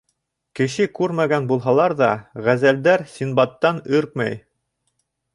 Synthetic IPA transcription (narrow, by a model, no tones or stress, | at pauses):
kɘ̆ʃɘkʉɾmæɡænbulˠɦɑlˠɑɾðɑʁæzæld̪æɾsʲinbɑt̪ːɑnɵɾk̚mæ̰j